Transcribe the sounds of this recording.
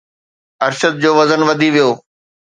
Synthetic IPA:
ɐɾʃəd̪̚d͡ʑoːʋɐzənʋɐd̪ʱiʋijoː

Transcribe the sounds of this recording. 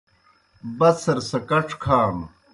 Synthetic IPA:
bɐsɐɾsɐkɐʈ͡ʂʰkʰaːm

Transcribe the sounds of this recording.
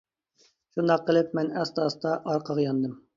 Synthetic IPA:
ʃund̪ɑqʰːəlˠɪp̚mɛnɛst̪ɑst̪ɑʔɑɾqʰəʁjɑnd̪ɨm

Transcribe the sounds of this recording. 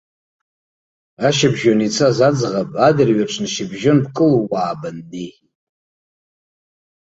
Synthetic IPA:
aʃabʒonit͡sʰazad͡zʁapʼadɨrɥaʈ͡ʂʷʰnʃɪbʒonbkʼɨlowaːbandi

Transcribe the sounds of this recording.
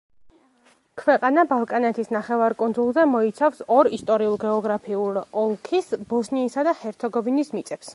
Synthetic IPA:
kʰwɛqʼanabalˠkʼanɛt̪ʰisnaχɛvaɾkʼund̪zulˠzɛmɔit̪sʰafsɔɾist̪ʼɔɾiulˠɡɛɔɡɾapʰiulɔlˠkʰisbɔsniːsad̪ahɛɾt̪sʰɛɡɔvinismit̪sʼɛps

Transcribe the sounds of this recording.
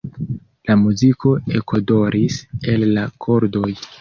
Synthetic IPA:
lamuzikʰo̞ekʰodo̞ɾʔise̞lːakʰo̞ɾdo̞j

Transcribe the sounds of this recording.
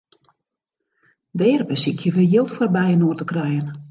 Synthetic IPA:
dɛːrbəsikʰjəʋəjɪlˠtfɔrbɛjənoːrtəkrɛjən

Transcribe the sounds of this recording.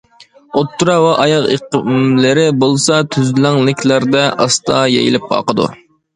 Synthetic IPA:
ot̪ʰːuɾɑwɛʔɑjɑʁḛqmlɪɾɪbolˠsɑt̪ʰyzlæŋlɪkʲʰlæɾd̪ɛʔɑst̪ɑjɛ̰jḭlɪp̚qʰɑ̰ːqəd̪ṵ

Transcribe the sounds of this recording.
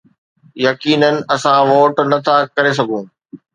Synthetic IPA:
jɐkiːnənɪ̆ɐsãʋoːʈnɐt̪ʰakɐɾes̬ɐɡʱũː

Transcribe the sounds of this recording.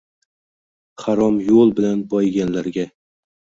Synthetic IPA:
χaɾɒmjolˠbɪlanbɒjɡʲanlaɾɡʲa

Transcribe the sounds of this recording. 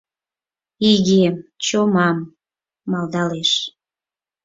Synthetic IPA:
iɣemt͡ɕomɑmː | ɑld̪ɑleʃ

